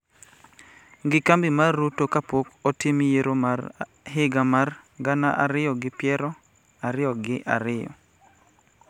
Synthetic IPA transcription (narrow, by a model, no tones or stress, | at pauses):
ɡɪkambimarːutokapokɔtimijeɾomar | ɦɪɡamarɡanaʔaɾɪjɔɡɪpjɛɾɔ | aɾɪjɔɡɪʔa̰ɾɪjɔ̰